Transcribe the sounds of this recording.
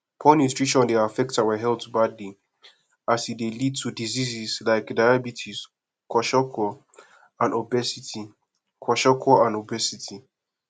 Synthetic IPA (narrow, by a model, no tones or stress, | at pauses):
pʰɔ̃nisɹit͡ʃɔ̃ndeafɛk̚tsawəɦɛltbadli | asidelid̚tʰudizizislaɪkdaɪabitʰis | kʰɔʃɔkʰɔ | ãnɔbɛsiti | kʰɔʃɔkʰɔãnobɛsitʰi